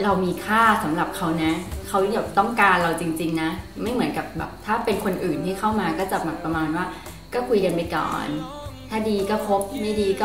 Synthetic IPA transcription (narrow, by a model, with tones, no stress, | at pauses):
ɾa˧wmiː˧kʰaː˥˩sa˩˦mɾa˨˩p̚kʰa˦˥wna˦˥kʰa˦˥wi˥˧˩jaː˨˩t̪ɔ˥˩ŋkaː˧nɾa˧wt͡ɕi˧ŋt͡ɕi˧ŋna˦˥ma˥˩jmɯ˩˦ənka˨˩p̚bɛ̰ː˨˩p̚t̪ʰaː˥˩pe˧nkʰo˧nʔɯː˨˩nt̪ʰiː˥˩kʰa˥˩wmaː˧kɔː˥˩t͡ɕa˨˩ba˨˩pːɾa˧maː˧nwaː˥˩ | kɔː˥˩kʰu˧jka˧npa˧jkɔ̰ː˨˩n | t̪ʰaː˥˩diː˧kɔː˥˩pʰo˦˥p̚ma˥˩diː˧kɔː˥˩